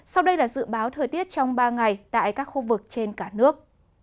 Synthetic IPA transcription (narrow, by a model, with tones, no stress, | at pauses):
sa˧wɗə˧jlaː˨˩zɨ̰˧˨ɓaː˨˦wt̪ʰəː˨˩jt̪i˦˥ət̚t͡ɕɔ˧wŋ͡mɓaː˧ŋa˨˩jt̪a̰ː˧˨jkaː˦˥k̚xu˧vɨ˨˩k̚t͡ɕe˧nkaː˧˩nɨ˦˥ək̚